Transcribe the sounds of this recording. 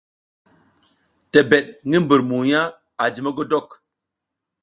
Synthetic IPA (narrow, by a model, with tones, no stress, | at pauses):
te˨bɛ˨ɗ̚ŋi˦m˦bə˨ɾmu˨ja˦ | a˨d͡ʒi˨mə˦ɡo˦dɔ˦˨k